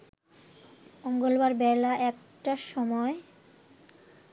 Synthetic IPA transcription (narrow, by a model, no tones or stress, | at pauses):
moŋɡolbaɾbɛlaʔɛk̚ | ʈaʃɔmɔe